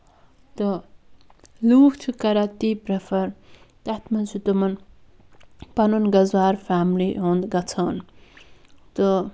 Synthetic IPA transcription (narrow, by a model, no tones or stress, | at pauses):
t̪ɔ | luːkt͡ʃʰukɐɾat̪iːpɾɐfʰɐɾ | t̪at̪mɐnt͡ʃʰut̪umɐn | pɐnunɡɐzwaːɾfaːmlḭɦond̪ɡɐt͡sʰaːn | t̪o